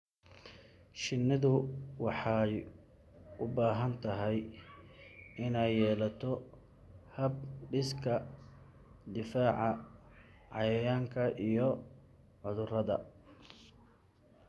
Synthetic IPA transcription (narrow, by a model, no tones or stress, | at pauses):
ʃɪnːɪðʊwɑħɑj | ʊbaːɦɐnt̪ʰɐɦɛj | ɪnɛjːɛːlɐt̪ʰɔ | hɐb̚ɖɪskʰɐ | d̪ɪfaːʕɑ | ʕɑ̰jɐjaːŋkʰɐʔijɔ | ʕʊðʊrɐðɐ̰